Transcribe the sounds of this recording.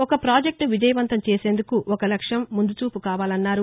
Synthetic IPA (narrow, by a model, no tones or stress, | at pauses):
ɔkɐpɾaːd͡ʒek̚ʈnuʋid͡ʒɐjɐʋɐnt̪ɐmt͡ʃeːse̞ːnd̪ukuʔɔkɐlɐkʂjɐmːund̪ut͡ʃuːpukaːʋaːlɐnːaːɾu